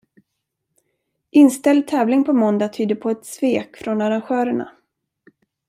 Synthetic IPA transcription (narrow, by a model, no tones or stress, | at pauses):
ʔɪnst̪ɛld̪̚t̪ʰɛːvlɪŋpʰɔmɔnd̪at̪ʰyːd̪əɾpʰɔɛt̪sveːkfɾɔnaɾanɧœːɾəɳa̰